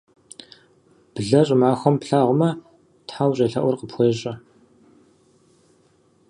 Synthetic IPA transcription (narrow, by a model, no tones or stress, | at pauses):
b̥ɨɮɐɕʼɪmaːxʷɔmpɬaːʁʷʊmɐ | tħaːwɕʼɐɬɐʔʷʊrqəpʰxʷeːɕʼɐ